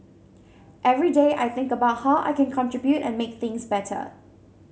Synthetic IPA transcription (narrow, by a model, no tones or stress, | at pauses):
ʔɛvɹideːʔa̰ɪθɪ̃ŋkəbaʊt̚haʊʔa̰ɪkɛ̃nkʰɔ̃ntʰɹɪbjutɛ̰̃nmek̚θɪ̃ŋsbɛtʰə̰